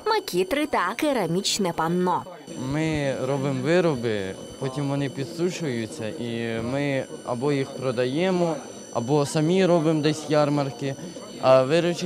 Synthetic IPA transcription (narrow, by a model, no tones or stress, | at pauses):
mɐkʲʰit̪ɾɪt̪ɑkeɾɐmʲit͡ʃnɛpɐnːɔ | mɪɾɔbɪmʋɪɾɔbɪ | pɔtʲimʋɔnɪpʲid̪suʃʊjʊt͡sʲːɐʔimɪɐ̰bɔjixpɾɔd̪ɐjɛmɔ | ɐ̰bɔsɐmʲiɾɔbɪmd̪ɛsʲjɑrmɐrkɪ | ɐʋɪɾɔt͡ʃɪ